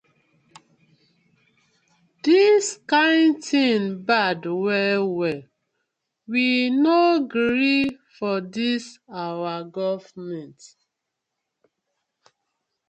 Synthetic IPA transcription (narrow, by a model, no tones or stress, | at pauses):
diskãɪ̃ntĩnbadwɛlwɛl | winoɡɹɾifɔdisawaɡɔvmɛ̃nt